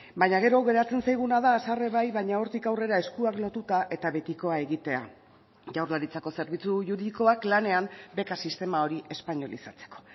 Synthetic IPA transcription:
bajɲaɣ̞e̞ɾo̞ɣe̞ɾat͡se̞nsajɣ̞unaðaːsare̞βajβajɲao̞ɾt̪ikawre̞ɾae̞skuaklo̞t̪ut̪aʔe̞t̪aβe̞t̪iko̞ae̞ɣit̪e̞a̰ | ʝawɾlaɾit͡sako̞se̞ɾβ̞it͡suʝuɾiðiko̞aklane̞ambe̞kasist̪e̞mao̞ɾiʔe̞spaɲo̞lisat͡se̞̥ko̞̥

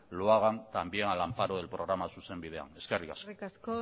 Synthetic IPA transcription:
loaɣant̪ambje̞ŋalampaɾoð̞e̞lpɾo̞ɣ̞ɾamasuse̞mbið̞e̞a̰ne̞skerikasso

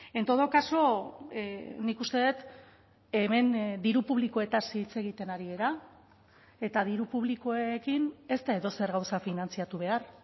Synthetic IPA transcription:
e̞nt̪o̞ðo̞kaso̞ | nikust̪e̞ðet̪ | eme̞nd̪iɾupuβliko̞e̞t̪asiːt͡se̞ɣ̞it̪e̞naɾie̞ɾa | e̞t̪að̞iɾupuβliko̞ekine̞st̪ae̞ðo̞se̞ɾɣawsafinant͡siat̪uβ̞e̞ar

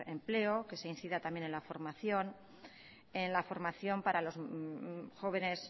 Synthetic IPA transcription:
emple̞oke̞seinθiðat̪amje̞ne̞nlafo̞ɾmaθjo̞n | e̞nlafo̞ɾmaθjo̞mpaɾalo̞s | xo̞β̞e̞ne̞s

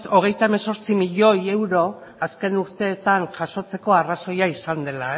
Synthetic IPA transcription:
o̞ɣ̞e̞jt̪aemeso̞ɾt͡simiʎo̞je̞wɾo̞ | aske̞nuɾt̪e̞ːt̪aŋʝaʃo̞t͡se̞ko̞araso̞jaisand̪e̞la

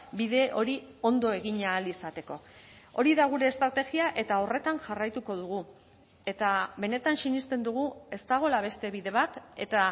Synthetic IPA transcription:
biðe̞ʔo̞ɾio̞nd̪o̞e̞ɣ̞iɲaːlisat̪e̞ko̞ | o̞ɾiðaɣuɾe̞ːst̪ɾat̪e̞ɣiaʔe̞t̪ao̞re̞t̪anʝarajt̪uko̞ð̞uɣ̞u | e̞t̪aβe̞ne̞t̪ansiɲist̪e̞nd̪uɣ̞ue̞st̪aɣ̞o̞laβe̞st̪e̞βiðe̞β̞at̪e̞̰t̪a

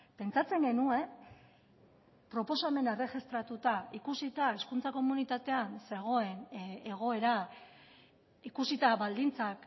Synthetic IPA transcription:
pe̞nt͡sat͡se̞ŋɡe̞nue̞ | pɾo̞po̞same̞nare̞xist̪ɾat̪ut̪aikusit̪aeskunt͡sako̞munit̪at̪e̞anse̞ɣ̞o̞e̞ne̞ɣ̞o̞e̞ɾa | ikusit̪aβald̪int͡sak

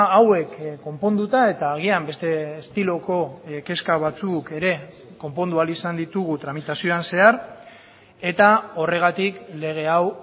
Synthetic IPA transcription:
awe̞kːo̞mpo̞nd̪ut̪ae̞t̪aːɣ̞iambe̞st̪e̞ːst̪ilo̞ko̞ke̞skaβ̞at͡suke̞ɾe̞ | ko̞mpo̞nd̪ualisand̪it̪uɣ̞ut̪ɾamit̪asio̞anse̞aɾ | e̞t̪ao̞re̞ɣ̞at̪ikle̞ɣ̞e̞aw

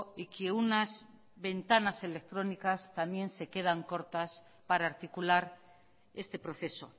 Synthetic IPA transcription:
ikeunaz | βe̞nt̪anase̞le̞k̚t̪ɾo̞nikast̪amje̞nse̞ke̞ðaŋko̞ɾt̪as | paɾaːɾt̪ikulaɾ | e̞st̪e̞pɾo̞θe̞so̞̰

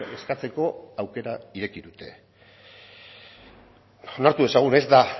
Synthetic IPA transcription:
e̞skat͡se̞ko̞awke̞ɾaiɾe̞kiðut̪e̞̰ | o̞naɾt̪ue̞saɣ̞une̞zd̪a

